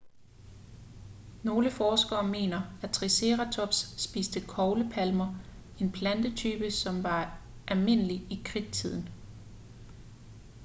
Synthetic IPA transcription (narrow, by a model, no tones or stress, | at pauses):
no̝ːləfɒːsɡ̥ɐːme̝̰ːnɐæt͡sʰʁise̝ːʁæt͡sʰɒ̽b̥sːb̥iːsd̥əkʰɒʊləpʰælmɐ | e̝npʰlænd̥ət͡sʰyːb̥əsɒ̽mʋɑ̈ʔælme̝n̰əliikʰʁiɡ̥̚t͡sʰið̞̰ˠn̩